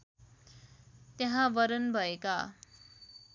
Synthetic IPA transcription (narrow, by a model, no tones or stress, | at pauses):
t̪jeɦãbʌɾʌnbʱʌeka